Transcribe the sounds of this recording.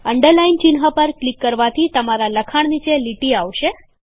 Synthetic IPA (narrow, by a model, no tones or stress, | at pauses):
əɳɖəɾlaint͡ʃinɦəpəɾklikːəɾʋat̪ʰit̪əmaɾaləkʰaɳ̃nit͡ʃeliʈiaʋʃe